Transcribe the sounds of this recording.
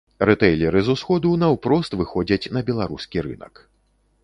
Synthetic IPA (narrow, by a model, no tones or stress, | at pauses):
rɛt̪ɛjlʲɛɾɨzusxɔd̪unɐwpɾɔst̪vɨxɔd͡zʲɐt͡sʲnɐbʲɛlˠaɾuskʲiɾɨ̰nɐ̰k